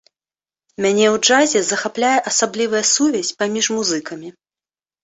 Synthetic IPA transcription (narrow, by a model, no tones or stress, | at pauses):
mʲanʲɛwd͡ʐazʲɛzɐxaplʲajɛʔɐsablʲivɨjɐsuvʲɛsʲpamʲiʂmuzɨkɐmʲi